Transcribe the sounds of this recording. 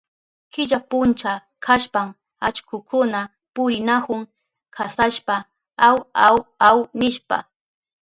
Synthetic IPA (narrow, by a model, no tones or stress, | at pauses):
kɪʎapʊnt͡ʃa | kʰaʃpam | at͡ʃkʊkʊna | pʊɾɪnakʊŋ | kʰasaʃpa | awawawnɪʃpa̰